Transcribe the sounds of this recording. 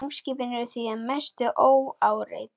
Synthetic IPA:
ŋscɪːpɪnʏɾʏθianmɛst̪ʏʔoːwaːwɾḛj

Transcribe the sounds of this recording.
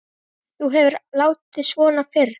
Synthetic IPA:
θuɦɛvɪɾlaːwt̪ɪsvɔːnafɪr

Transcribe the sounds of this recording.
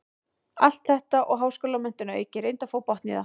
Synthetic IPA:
al̥t̪θɛht̪aʔɔɣɦaːwskɔːlamɛn̥t̪ʏnaœ̰jcɪɾejnt̪afoːwpɔht̪nḭða

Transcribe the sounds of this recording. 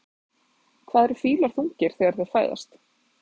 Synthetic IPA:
kʰv̥aːðɛɾ̥fiːlaɾ̥θuŋɲcɪɾ̥θɛɣaɾ̥θɛ̥faːjða̰st̪

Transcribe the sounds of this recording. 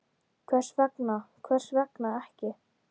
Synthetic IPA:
kʰvɛr̥svɛknakʰvɛr̥svɛknaɛhcɪ

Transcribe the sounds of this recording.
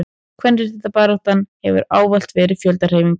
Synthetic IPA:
kʰvɛnɾɪ̥θɛht̪apaːɾɔht̪anːhɛvʏ̰ɾaːwval̥t̪vɛːɾɪ̥fjœlt̪ar̥eːjvmiŋk

